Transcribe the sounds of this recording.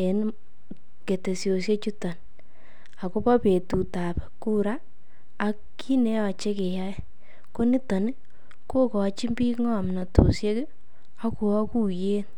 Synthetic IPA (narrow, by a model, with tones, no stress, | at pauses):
e˨n | ke˨te˨sjo˨s̬je˦t͡ʃu˦ta˨n | a˨ko˦pa˦pe˨tu˨ta˨pɛ˨ku˦ɾaː˦˨ | kː | i˦ne˦a˨t͡ʃe˦ke˨ja˦ | ko˦ni˦tɔ˨n˦ | ko˦kɔ˨˦t͡ʃi˦mbi˦ŋɔ˦˨mna˨to̰˨sje˦ke˦ | a˦ko˨a˦ku˦je˦n